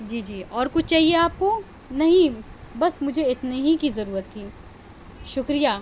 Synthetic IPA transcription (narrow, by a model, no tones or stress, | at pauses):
d͡ʒiːd͡ʒiːɔːɾkʊt͡ʃʰt͡ʃaːɦieaːp̚ko | nɐɦĩbɐsmʊd͡ʒʱeɪt̪neɦikizɐɾuːɾət̪ɦiː | ʃʊkɾijaː